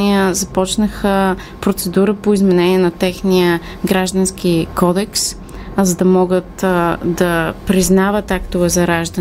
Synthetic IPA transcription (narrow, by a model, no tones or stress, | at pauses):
iəzɐpɔt͡ʃnəxə | pɾot̪sɛd̪uɾəpoizmɛnɛniɛnɐt̪ɛxnijə | ɡɾaʒd̪ɐnskikɔd̪ɛks | zɐd̪ɐmɔɡət̪d̪ɐpɾiznavət̪akt̪ovɛzɐɾaʒd̪